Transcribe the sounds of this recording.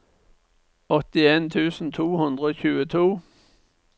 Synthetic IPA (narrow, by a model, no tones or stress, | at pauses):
ɔt̪ɪeːnt̪ʰʉːsn̩t̪ʰuːhʉnd̪ʁəoːçʉːət̪ʰuː